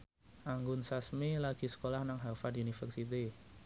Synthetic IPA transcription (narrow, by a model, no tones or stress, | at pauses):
ʔaŋɡʊnsasmilaɡ̥i̤sə̥kolahnaŋɦafadunifɛrsit̪̬i